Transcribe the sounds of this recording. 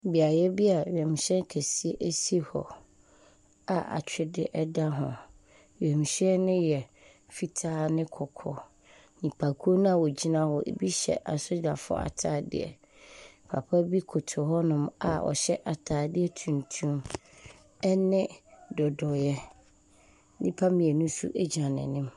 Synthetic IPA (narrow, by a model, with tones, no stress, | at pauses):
bi˨a˨jɛ˦bi˦a˨ɥɛ̃˨m˨ɕɛ̃˦nkʰɛ˨si˦e˦ʔe˦si˦hɔ̰˨ | a˨ʔa̰˨t͡ɕᶣɪ˦dɪ˦ʔɛ˦da˦ɦʊ̰̃˨ | ɥɛ˨m˨ɕɛ˦nɪ̃˦jɛ˨ | fi˨tʰaː˦nɪ̃˦kʰɔ˨kʰɔ̰˨ | ɲĩ˨pʰa˨kʰo˦nʊ̃˦a˨wɔ˨d͡ʑi˦nã˦wɔ˨ʔḛ˨bi˦ɕɛ̰˨ʔa˨sʊ˦d͡ʑa˨fʊ˦ɔ̰˦a̰˨tʰaː˦dɪ̰˦˨ɛ̰˨ | pʰa̰˨pʰa˦bi˦kʰʊ˨tʰʊ˨ɦɔ˦nʊ̃˦ma̰˨ɔ̰˨ɕɛ˦ʔa˨tʰaː˨˦dɪ˦ɛ˦tʰũ˨n˨tʰũ˦m | ɛ˦nɪ̃˦dɔ˨dɔ˨jɛ˦ | nĩ˦pʰa˦mĩ˨ɛ˨nũ˦sṵ˦ʔe˦d͡ʑi˨nã˨nɪ̰̃˨nɪ̃˦m